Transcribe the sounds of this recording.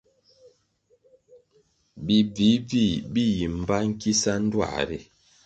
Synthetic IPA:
bi˨vi˨˦vi˦˨bi˦ji˨m˨ba˦ŋ̩˦ki˦sa˦n̩˦dwa̰˦˨ɾi˦

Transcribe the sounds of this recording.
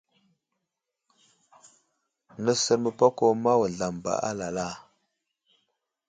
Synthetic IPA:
nə˦sə˦ɾmə˨pa˦ko˦ma˦wə˨ɮa˨mba̰˨ʔa̰˦la˨la˦˨

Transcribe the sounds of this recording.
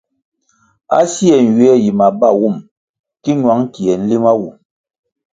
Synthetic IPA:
a̰˦si˦ɛ˨n̩˨ɥwɛ˦ji˨ma˨ba˦˨wu˦˨m | ki˦ɲwa˨˦ŋ˦ki˨ɛ˨n̩˦li˦ma˦wu˨m

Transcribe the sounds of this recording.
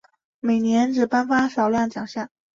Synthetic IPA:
me˨˩ɪnjɛ˧˥nʈ͡ʂɻ̩˨˩pa˥nfa˥ʂɑ˨˩ʊljɑ˥˩ŋt͡ɕjɑ˨˩ŋɕja˥˩

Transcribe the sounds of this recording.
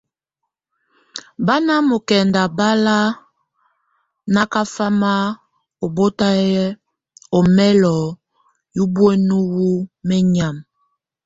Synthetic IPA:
ba˦na˦mo˨kɛ˨nda˨ba˦la˦ | na˦ka˦fa˦ma˦ | o˨bo˦ta˦jɛ˦ | o˨mɛ˦lɔ˨ | ju˦bwe˦nu˦wu˦mɛ˦ɲa˨m

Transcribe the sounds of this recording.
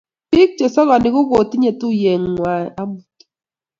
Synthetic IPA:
pɪ˦k̚t͡ʃɔ˨sɔ˦ɣɔ˨nɪ˨˦kʊ˦ko˨t̪i˦ɲe˨t̪ʊ˦je˨ŋːwa˨a˦bu˨t

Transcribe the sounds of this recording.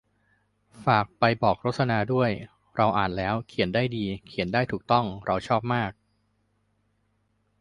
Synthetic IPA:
faː˨˩k̚pa˧jbɔː˨˩k̚ɾo˦˥t̪̚sa˧naː˧du˥˩əj | ɾa˧wʔaː˨˩nlɛː˦˥wkʰi˩˦əndaː˥˩jdiː˧kʰi˩˦əndaː˥˩jt̪ʰuː˨˩k̚t̪ɔ˥˩ŋɾa˧wt͡ɕʰɔː˥˩p̚maː˥˩k̚

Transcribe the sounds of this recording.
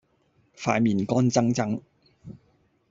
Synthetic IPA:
faː˧jmiː˨nkɔː˥nt͡sɐ˥ŋt͡sɐ˥ŋ

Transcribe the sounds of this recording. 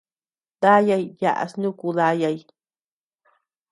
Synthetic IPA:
ða˦ja˧jja̰˧ʔa̰˧snũ˦˧ku˧ða˧˦ja˧j

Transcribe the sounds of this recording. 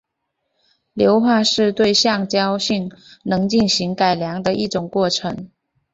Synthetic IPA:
ljo˧˥ʊxwa˥˧ʂɻ̩˥˧t̪we˥˧ɪɕjɑ˥˩ŋt͡ɕjɑ˥ʊɕi˥˩ŋnɤ˧˥ŋt͡ɕi˥˩nɕi˧˥ŋka˨˩ɪljɑ˧˥ŋd̪ə˧ʔi˥˩ʈ͡ʂʊ˨˩ŋkwɔ˥˩ʈ͡ʂʰɤ˧˥ŋ

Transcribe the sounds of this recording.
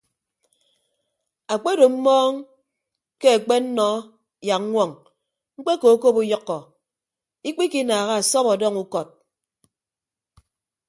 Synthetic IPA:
a˨k͡pe˦do˨m̩˦mɔː˦ŋ | ke˦e˨k͡pe˦n̩˦nɔ˦ | ja˨k̚ŋʷɔ˦˨ŋ | ŋ͡m̩˦k͡pe˦ko˨˦ko˦pu˦jɔ˦kːɔ˨ | i˦k͡pi˦ki˦naː˨ɣa˦a˨sɔ˦pɔ˨dɔ˦ŋu˦kɔ˨t̚

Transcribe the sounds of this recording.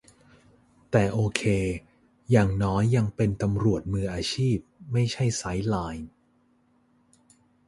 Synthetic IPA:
t̪ɛː˨˩ʔoː˧kʰeː˧ | jaː˨˩ŋnɔː˦˥jːa˧ŋpe˧nt̪a˧mɾu˨˩ət̪̚mɯː˧ʔaː˧t͡ɕʰiː˥˩p̚ma˥˩jt͡ɕʰa˥˩jsa˦˥jlaː˧j

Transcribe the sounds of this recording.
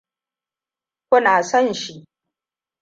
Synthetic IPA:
kʷʊ˦naː˨sɔ˦˨nʃi˦ʔ

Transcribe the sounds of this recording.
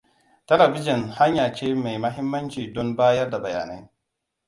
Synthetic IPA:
tɐ˦lɐ˨bi˦d͡ʒi˨nha˦ɲjaː˨t͡ʃeː˦ma˨jmɐ˦ɦɪ˦mːɐ˦nt͡ʃiː˨dɔ˦nbaː˦jɐ˦rda˨bɐ˨ja̰ː˨na˦j

